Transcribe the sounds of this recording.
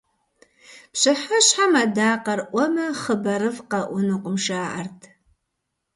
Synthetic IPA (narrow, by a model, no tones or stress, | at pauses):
pɕɨħɐɕħamɐdaːqɐrʔʷɔmɐχəbɐɾɨvqɐʔʷʊnuqʷʊmʃaːʔɐ̰rtʰ